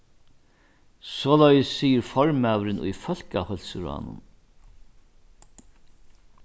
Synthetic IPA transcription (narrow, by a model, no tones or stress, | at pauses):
sɔːlajəsːiːjəɾfɔɹmæːʋɾɪnʊ̰jfœlkahœlsəɾa̰nʊ̰n